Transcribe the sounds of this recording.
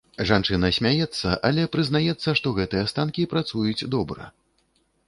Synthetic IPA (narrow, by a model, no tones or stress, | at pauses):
ʐant͡ʂɨnɐsʲmʲajɛt̪sːɐʔalʲɛpɾɨznajɛt̪sːɐʂt̪ɔɣɛt̪ɨjɛst̪ankʲipɾat̪sujut͡sʲd̪ɔbɾɐ̰